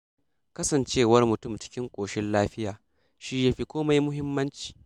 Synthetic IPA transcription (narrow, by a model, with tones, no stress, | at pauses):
kɐ˦sɐ˨nt͡ʃeː˦wɐ˦rmʊ˨tʊ˦˨mt͡ʃɪ̥˦kʲɪ˦ŋkʷʼoː˨ʃɪ˦nlaː˦ɸɪ˦jaː˨ | ʃi˦jaː˦ɸi˦kʷoː˦ma˦jmʊ˦ɦɪ˦mːɐ˦nt͡ʃi̥ː˨